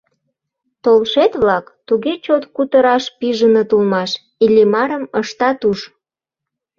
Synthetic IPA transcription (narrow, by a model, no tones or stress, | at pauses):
t̪olʃet̪βlɑkt̪uɣet͡ɕot̪kut̪əɾɑʃpiʒənət̪ulmɑʃ | ilʲimɑɾəməʃt̪ɑt̪uʃ